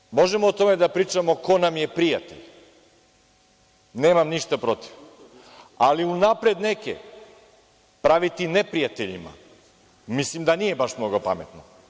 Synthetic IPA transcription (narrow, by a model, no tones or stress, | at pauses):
mo̞ʒe̞moːt̪o̞me̞d̪apɾiːt͡ʃamo̞ko̞namje̞pɾijat̪ḛʎ | ne̞ːmamniʃt̪apɾo̞t̪i̥ʋ | aliunapɾed̪ne̞kḛ | pɾaʋit̪ine̞pɾijat̪eʎḭma̰ | mislimd̪anije̞baʃmno̞ɡo̞pa̰me̞t̪no